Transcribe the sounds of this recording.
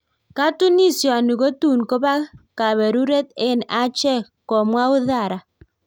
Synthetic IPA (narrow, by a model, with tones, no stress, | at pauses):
ka˦tu˦ni˦˨sjɔ˨a˨nu˨ɣo˦tu˦˨nko˦ba˦ka˨βɛ˨ɾu˦ɾe˦t̪e˦na˦t͡ʃɛ˦˨ | kɔ˨mwa˦ʊ˦ða˦˨ɾa˨